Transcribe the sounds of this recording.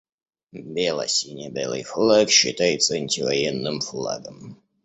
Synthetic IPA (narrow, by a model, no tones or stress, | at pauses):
bʲelˠɐ̰sʲinʲebʲḛlˠɨ̰jflˠakɕɪ̰t̪ajɪt̪səɐnʲtʲɪvɐjɛnːɨmflˠa̰ɡəm